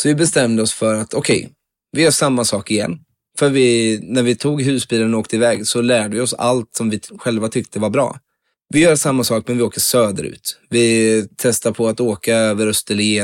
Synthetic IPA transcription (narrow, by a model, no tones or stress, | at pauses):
sɔvɪbɛst̪ɛmd̪əɔsfœɾat̪ʰɔkʰɛ̰j | vɪjœːʂamːasɑːkɪjɛ̰nː | fœɾvɪnæɾvɪt̪ʰuːɡɦʉ̟ːsbiːlənɔoːk̚t̪əɪvɛːɡsɔlæːɖəvɪɔsa̰lt̪sɔmvɪɧɛlvat̪ʰʏkt̪ʰəvaɾbɾɑ̰ː | vɪjœːɾʂamːasɑːk̚mɛnvɪoːkəʂøːd̪ə̰ɾʉ̰ːt̪vɪt̪ʰɛst̪apʰɔat̪oːkaøːvəɾœst̪əlɪ